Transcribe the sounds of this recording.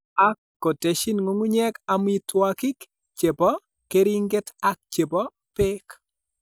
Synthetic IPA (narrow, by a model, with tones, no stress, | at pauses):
a˦kːo˨te˨ʃi˦nŋo˦ŋu˦ɲɛ˦ka˨m˦i˦twa˦kɪ˦k | t͡ʃe˨bɔ˦ | ke˦ɾi˦ŋɡɪ˦ta˦k̚t͡ʃe˨bɔ˦ | pɪ˦k